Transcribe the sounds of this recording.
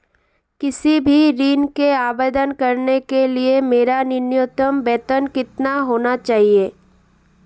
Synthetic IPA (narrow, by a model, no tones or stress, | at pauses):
kɪsibʱiɾiːnkeaːbeːd̪ənkɐɾnekeliemeːɾanɪnjʊt̪əmbɛːt̪ənkɪt̪naɦoːnat͡ʃaːɦieː